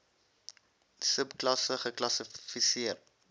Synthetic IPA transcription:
səpklɐsəχəklɐsəfisiərt

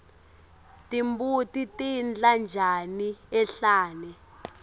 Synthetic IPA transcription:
tʼimbutitind͡ɮand͡ʒʱaniɛɬaːnɛ

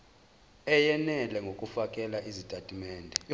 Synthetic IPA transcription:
ɛjɛnɛlɛŋɡʱokʼufakʼɛlaʔizitʼatʼimɛːndʱɛ

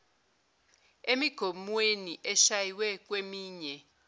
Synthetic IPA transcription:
emiɡ̥ʱomuweniʔɛʃajiwɛk̬ʼwemiːɲɛ

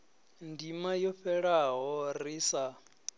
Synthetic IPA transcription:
ndimajɔɸɛɺaɦɔriːsa

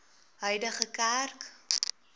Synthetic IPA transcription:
ɦœjdəχəkærk

